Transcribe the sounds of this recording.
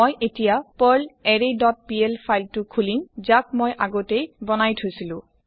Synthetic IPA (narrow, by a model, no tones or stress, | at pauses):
ojʔetijapəlɛɹedɔt̚pielpʰajltʊkʰulimzak̚mojʔaɡotejbɔnajtʰojsilʊ̃